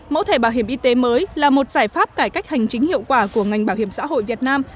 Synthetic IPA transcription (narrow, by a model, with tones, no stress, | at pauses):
mo̰˧˥t̪ʰe˧˩ɓaː˧˩wɦi˧˩əmʔi˧t̪e˨˦məː˨˦jlaː˨˩mo˨˩t̚zaː˧˩jfaː˦˥p̚kaː˧˩jka˦˥jk̚ha˨˩jŋ̟t͡ɕï˨˦ŋ̟hḭ˧˨əwkwaː˧˩ku˧˩əŋa˨˩jŋ̟ɓaː˧˩whi˧˩əmsa̰ː˧˥ɦo̰˧˨jvi˨˩ət̚naː˧m